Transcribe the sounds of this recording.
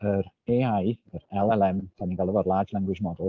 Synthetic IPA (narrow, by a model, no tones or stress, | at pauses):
əɾ | eajəɾɛlˠɛlɛmt̪ʰanikalˠəvɔɾlˠaːd͡ʒlˠaŋɡwɪd͡ʒmɔd̪əlˠ